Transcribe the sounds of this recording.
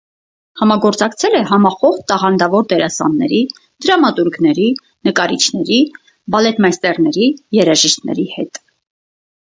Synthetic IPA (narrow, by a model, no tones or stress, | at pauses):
hɑmɑɡɔɾt͡sɑkt͡sʰɛlɛɦɑmɑχɔχt̪t̪ɑʁɑnd̪ɑvɔɾd̪ɛɾɑsɑ̰nːɛ̰ɾi | d̪̥əɾɑmɑt̪uɾɡnɛɾi | nəkɑɾit͡ʃʰnɛɾi | bɑlɛt̪mɑst̪ɛrnɛɾijɛɾɑʒiʃt̪nɛ̰ɾihɛ̰t̪